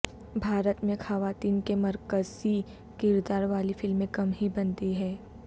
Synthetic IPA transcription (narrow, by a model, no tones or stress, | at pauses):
bʱaːɾət̪mẽxɐʋaːt̪iːnkemɐɾkəzi | kɪɾd̪aːɾʋaːlifɪlmːẽkɐmɦibɐnt̪iɦɛː